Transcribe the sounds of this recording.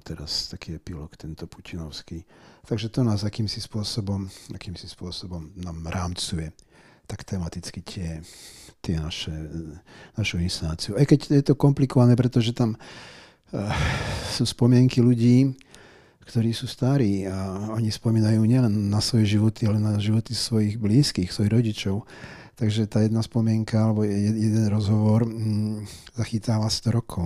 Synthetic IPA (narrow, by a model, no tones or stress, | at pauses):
t̪ɛɾa̰st̪akiːɛpilɔkt̪ɛnt̪ɔpu̥cinɔʊskiːt̪aɡʒɛt̪ɔnaːzakiːmsispʊɔsɔbɔmakiːmsispʊɔsɔbɔmnaːmɾaːmt͡sujɛt̪akt̪ɛmat̪it͡skit̪ɪɛt̪ɪɛnaʃɛ | naʃuinst̪ant͡siuʊajkɛɟjɛt̪ɔkɔmplikɔʋanɛːp̬ɾɛt̪ɔʒɛt̪am | suːspɔmɪɛŋkiluɟiː | kt̪ɔɾiːsuːst̪aɾiːaɔɲispɔmiːnajuːɲɛlɛnːasʋɔjɛʒiʋɔt̪ialɛnaʒiʋɔt̪isʋɔjiɣbliːskiːxsʋɔjiɣɾɔɟit͡ʃɔʊ | t̪aɡʒɛt̪aːjɛd̪naspɔmɪɛŋkaalɛbɔɛjɛd̪ɛnɾɔzɦɔʋɔɾ | zaxit̪aːʋast̪ɔɾɔkʰɔʊ